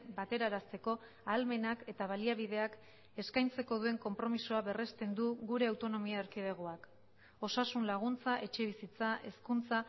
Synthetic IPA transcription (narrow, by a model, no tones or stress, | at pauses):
bat̪e̞ɾaɾast̪e̞ko̞ | alme̞nake̞t̪aβaliaβ̞iðe̞ak | e̞skajnt͡se̞ko̞ð̞ue̞ŋko̞mpɾo̞misuaβe̞re̞st̪e̞nd̪uɣuɾe̞awt̪o̞no̞miaeɾkið̞e̞ɣ̞oak | o̞sasunlaɣ̞unt͡saʔe̞t͡ʃe̞β̞isit͡saʔe̞skunt͡sa